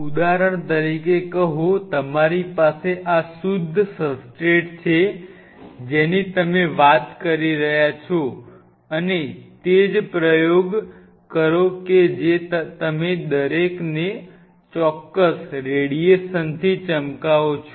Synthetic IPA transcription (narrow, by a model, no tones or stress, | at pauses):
ud̪aɾəɳ̃t̪əɾikekəɦõt̪əmaɾipaseʔasud̪ʱːsəsʈeʈt͡ʃʰe | d͡ʒenit̪əmeʋat̪kəɾiɾəɦjat͡ʃʰo | ənet̪ed͡ʒpɾəjoɡ | kəɾoked͡ʒet̪əmed̪əɾekne | t͡ʃɔkːəsɾeɽieʃənt̪ʰit͡ʃəmkaot͡ʃʰ